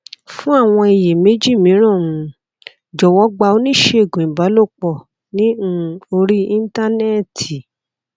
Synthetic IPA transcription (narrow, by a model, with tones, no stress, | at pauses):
fũ˦a˦˨w̃ɔ̃˧i˨je˨me˨˦d͡ʒi˦˨mĩ˨˦ɾ̃ɔ̃˦˨ũ˨˦ | d͡ʒɔ˨wɔ˦ɡ͡ba˧o˦nĩ˦˨ʃe˧˦e˦˨ɡũ˨ĩ˨ba˨˦lo˦˨k͡pɔ˧˨ | nĩ˦˧o˧ɾi˦i˦n˦ta˦nɛ˦˨tʰi˨